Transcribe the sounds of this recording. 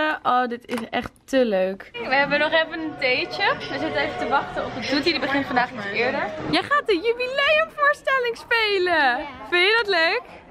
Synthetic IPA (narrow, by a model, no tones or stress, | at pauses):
əʔoːdɪtɪsɛ̰χtəløɥkʋəɛbənɔχɛfənəntejt͡ʃəʋəzɪtənejvətəʋɑχtəɔfət̚dutidəbəχɪntfɑndaːχnitɪːɹdəɹjəχaːt̚dəjybilejəmvʊːɹstɛlɪŋspejləfɪnjədɑtløɥk